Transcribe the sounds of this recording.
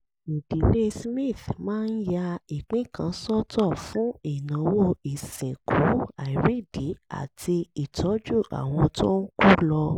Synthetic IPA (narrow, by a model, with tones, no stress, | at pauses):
i˨di˨˦le˦smĩ˦˨θmãː˦˧n̩˦ja˧i˨k͡pĩ˦˨kã˧sɔ˦tɔ˦˨fũ˨˦i˦˨nã˨˦wo˦i˨sĩ˨ku˨˦a˨i˨ɾi˦˨di˨˦a̰˦˨tʰi˧i˨tʰɔ˨˦d͡ʒu˦˨ʔa̰˨w̃ɔ̃˧tɔ̃˦n̩˦ku˦lɔ˧